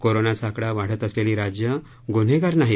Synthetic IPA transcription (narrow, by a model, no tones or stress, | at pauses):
koɾonasakɽaʋaɽ̤ət̪əsleliːɾad͡ʑjə | ɡon̤eɡaɾnaɦi